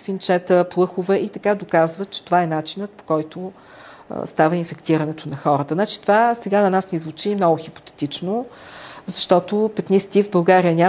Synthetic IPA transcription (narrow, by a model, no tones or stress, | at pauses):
fint͡ʃɛt̪əplˠɤxʊvɛʔit̪ɐkad̪okazvət̪̚t͡ʃɛ̥t̪ovaɛnat͡ʃinət̪̚po̥kɔjt̪ʊ̰ | st̪avəinfɛkt̪iɾənɛt̪onɐxɔɾət̪əzat͡ʃi̥t̪ovasɛɡanɐnasnizvut͡ʃimnɔɡʊxipo̥t̪ɛ̥t̪it͡ʃno | zɐʃt̪ɔt̪opɛt̪nist̪ivbɐlˠɡaɾijənʲa